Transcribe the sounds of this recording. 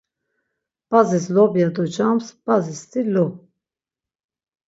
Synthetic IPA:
b̥azislɔbjad̪ud͡ʒamsbazist̪ʰilu

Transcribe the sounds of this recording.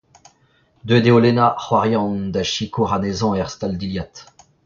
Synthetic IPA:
d̪ød̪eolenaχwaʁjɑ̃nd̪aʃikuʁanezɑ̃ɛʁst̪ald̪iljat̪

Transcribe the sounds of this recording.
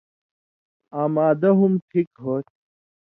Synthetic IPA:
aːmaːd̪ɐɦumʈʰikɦoːt

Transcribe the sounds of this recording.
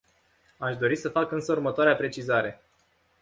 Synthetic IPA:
aʃd̪o̞ɾisəfakɨnsəurmət̪oaɾeapɾe̞t͡ʃizaɾe̞

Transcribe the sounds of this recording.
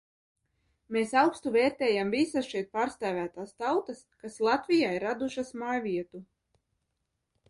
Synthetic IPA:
meːsawkst̪uvɛːɾt̪ɛːjamvisasʃɛjt̪̚paːɾst̪æːvʲæːt̪aːst̪awt̪askaslˠat̪vʲijaːiɾad̪uʃasmaːjvʲiɛt̪u

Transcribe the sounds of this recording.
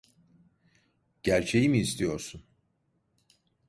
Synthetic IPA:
ɟ̥æɾt͡ʃʰe̞jimiːst̪ʰijo̞ɾsun

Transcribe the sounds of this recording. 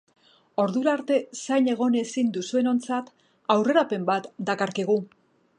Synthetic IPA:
o̞ɾðuɾaːɾt̪e̞sajne̞ɣ̞o̞ne̞sind̪usue̞no̞nt͡sat̪ | awre̞ɾape̞mbat̪d̪akaɾkeɣ̞u

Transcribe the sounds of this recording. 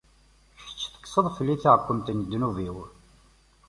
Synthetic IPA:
çt͡sːθə̥ksəðˤfəlːiθaʁkʷːəmt̪ənd̪ːnuviw

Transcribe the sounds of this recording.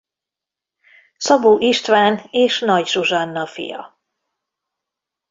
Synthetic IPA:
sɒbuːʔiʃt̪ʋaːneːʃnɒɟʒuʒɒnːɒfḭjɒ̰

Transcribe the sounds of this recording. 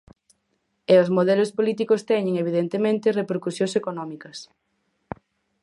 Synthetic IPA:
eozmoðɛlospolit̪̬ikost̪ɛɲẽŋeβiðent̪emẽnt̪erepeɾkusjõŋsekonɔmikɐs

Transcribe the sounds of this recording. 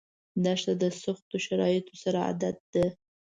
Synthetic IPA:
d̪aʂt̪ad̪əsʊxt̪oʃaɾɑjɪt̪osaɾaa̰d̪at̪̚d̪ə

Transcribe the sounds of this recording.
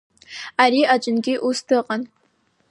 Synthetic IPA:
aɾiːʔat͡ʃʼɪnɡʲiʔustʰɨqʼɐn

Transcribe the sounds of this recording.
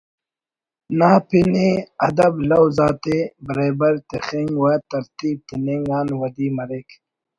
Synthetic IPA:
naːpineɐd̪ɐblɐwzaːt̪ebɾeːbɐɾt̪exiŋɡwat̪ɐɾt̪iːb̚t̪iniŋɡaːnwɐd̪iːmɐɾek

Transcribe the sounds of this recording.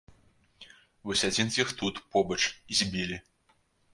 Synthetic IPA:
vɔsʲad͡zʲinzʲjixt̪ut̪pɔbɐt͡ʂizʲbʲilʲi

